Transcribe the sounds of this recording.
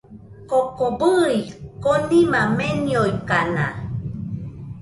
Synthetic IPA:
kokobəikolimamenjojkana̰

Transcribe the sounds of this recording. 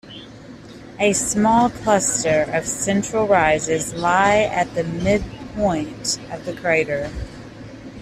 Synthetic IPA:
ɨsmɔlˠkʰl̥ʌstə˞ʔʌv̥sɛ̃nt͡ʃɹ̥l̩ˠɹaɪzɪzlaɪɨt̪̚ðɨmɪd̚pʰɔ̃ɪ̃ntʌvðɨkʰeɪɾə˞

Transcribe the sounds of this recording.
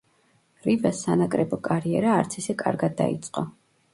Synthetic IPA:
ɾivasːanakʼɾɛbɔkʼaɾiɛɾaːɾt̪sʰisɛkʼa̰ɾɡad̪̚ːa̰ḭt̪sʼqʼɔ

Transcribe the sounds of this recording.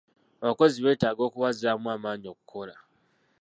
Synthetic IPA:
aβako̞ziβe̞ːtaːɡo̞ːkuβaziɾamwaːmaːɲio̞ku̥kʰo̞la

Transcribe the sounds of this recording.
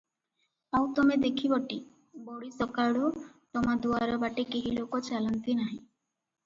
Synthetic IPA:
awt̪ɔmed̪ekʰibɔʈi | boɽisɔkaɽut̪ɔmad̪uaɾɔbaʈikeɦilokot͡ʃalant̪inaɦĩ

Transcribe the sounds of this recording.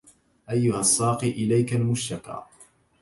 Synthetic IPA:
ʔajːʊhasˤːɑːqiʔɪlajkalmʊʃɑkɑ̰ː

